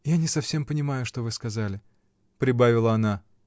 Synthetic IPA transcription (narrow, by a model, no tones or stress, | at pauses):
janʲɪsɐfsʲe̞mpənʲɪmajʊʂt̪o̞vɨskɐzalʲɪ | pɾʲɪbavʲɪlˠəɐna